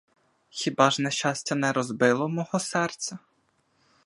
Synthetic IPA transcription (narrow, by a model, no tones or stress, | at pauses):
xʲibɑʒnɛʃt͡ʃɑsʲtʲɐnɛɾɔzbɪlˠɔmɔɦɔsɛrt̪sʲɐ